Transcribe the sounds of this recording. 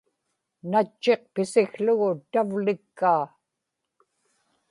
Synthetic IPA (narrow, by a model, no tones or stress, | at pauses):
nat͡ʃːe̞q̚pɪsɪxɬʊɣʊt̪avlɪkːaː